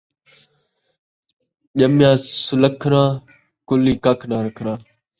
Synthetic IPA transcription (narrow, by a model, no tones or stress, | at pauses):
ʄəmjãːsʊləkʰɾãː | kʊliːkakʰnãːɾəkʰɾãː